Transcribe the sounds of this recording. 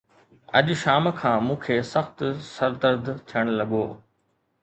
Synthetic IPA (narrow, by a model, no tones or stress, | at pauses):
ɐ̰ʄʃaːmkʰãːmũːkʰeːsɐxt̪sɐɾd̪əɾd̪ʱt̪ʰiəɽ̃lɐɠoː